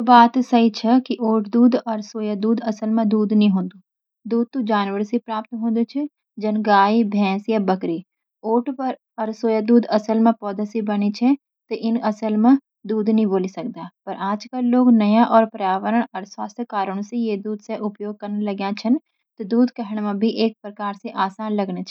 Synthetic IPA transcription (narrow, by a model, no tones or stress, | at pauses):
baːt̪sɐɦit͡ʃʰɛkiʔoːʈʰd̪uːd̪ɔɾsoːjad̪uːd̪ɐsəlmẽd̪uːd̪nəɦĩɦõːnd̪uː | d̪uːd̪̚t̪ũd͡ʒaːnʋəɾsipɾaːp̚t̪ɦõːnd̪ut͡ʃʰɪ | d͡ʒɐnɡaːibʱɛ̃ːsjabɐkɾiː | oːʈpɐɾ | ɐɾsoːjad̪uːd̪ɐsəlmẽpɔːd̪əsibɐɽ̃it͡ʃʰɛ | t̪eʔɪnɐsəlmã | d̪uːd̪nəɦĩboːlisɐk̚d̪aːpɐɾʔaːd͡ʒkəlːoːɡnɐjãʔɔːɾpɾjaːʋəɾəɽ̃ɐɾswaːst̪ʰjkaːɾəɽ̃sejeːd̪uːd̪seʔʊpjoːɡ̚kɐɾneləɡjãt͡ʃʰən | t̪ed̪uːd̪kəɦəɽ̃mãbʱiʔeːk̚pɾəkaːɾseʔaːsaːnlɐɡnet͡ʃʰ